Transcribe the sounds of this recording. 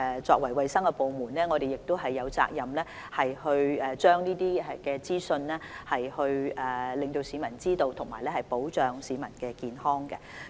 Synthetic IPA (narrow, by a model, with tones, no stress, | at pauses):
t͡sɔ̰ː˧kwɐ˨˩jwɐ˨jsɐ˥ŋkɛ˧po˨wmuː˨˩nlɛː˥ŋɔː˨˧ɾe˨jɪ˨k̚t̪o˥wɦɐ˨jːɐ˨˧wt͡sa̰ː˧k̚jɐ˨mlɛː˥ | hɐ˨jhɵ˧ɥɛː˨t͡ʃœː˥ŋniː˥t̪iː˥ɛ˨kɛː˧t͡siː˥sɵ˧nlɛː˥hɐ˨jhɵ˧ɥɛː˨lɪ˨ŋt̪o˧wsiː˨˧mɐ˨˩nt͡siː˥t̪o˧wt̪ʰʊ˨˩ŋmaː˨˩jlɛː˥hɐ˨jpo˨˥wt͡ʃœː˨ŋsiː˨˧mɐ˨˩nkɛː˧kiː˨nhɔː˥ŋkɛ˧